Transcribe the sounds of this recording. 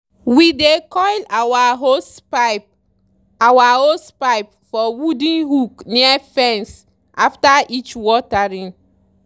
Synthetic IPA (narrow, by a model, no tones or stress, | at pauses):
widekɔjlawaɦo | awahospaɪp̚ | fɔwudĩnɦukniafɛ̃ns | ʔaftaʔit͡ʃwɔtaɹĩn